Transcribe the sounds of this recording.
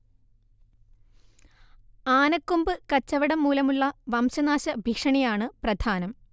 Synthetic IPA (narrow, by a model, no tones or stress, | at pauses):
aːnɐkːumbɨkɐt͡ɕːɐʋɐɽɐmːuːlɐmuɭːɐʋɐmɕɐnaːɕɐbʱikʂɐɳijaːɳɨprɐd̪ʱaːnɐm